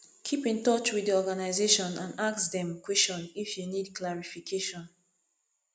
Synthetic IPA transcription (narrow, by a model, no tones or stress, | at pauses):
kʰipĩntɔt͡ʃwidiɔɡanaɪzeʃɔ̃nãnaksdɛ̃mkwɛst͡ʃɔ̃nifjunid̚kʰlaɹifikʰeʃɔ̃n